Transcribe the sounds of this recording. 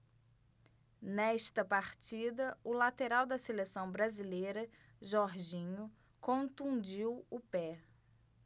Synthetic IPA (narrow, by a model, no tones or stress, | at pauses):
nɛʃt̪ɐpaɾt͡ʃid̪ɐʊlat̪eɾawd̪ɐselesɐ̃w̃bɾazilejɾɐ | ʒɔɾʒĩɲʊ | kõnt̪ũd͡ʒiwʊpɛ